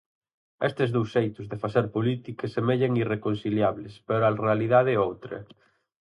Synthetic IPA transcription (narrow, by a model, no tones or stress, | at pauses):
est̪ɪzðowsːejt̪ʊzðefaθeɾpolit̪ikesemeʎeŋirekonsiljaβlɪspeɾoarealiðaðeowt̪ɾɐ̰